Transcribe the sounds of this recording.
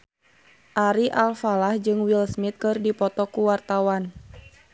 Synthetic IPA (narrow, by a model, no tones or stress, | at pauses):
ʔaɾiʔalfalahd͡ʒɨŋwilsmit̪̚kɨrdipɔt̪ɔkuwart̪awan